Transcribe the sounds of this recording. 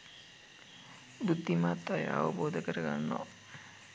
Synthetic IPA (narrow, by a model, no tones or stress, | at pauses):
bud̪ːimat̪ːaj̰a̰ʋəboːd̪əkəɾəɡa̰nːɔ̰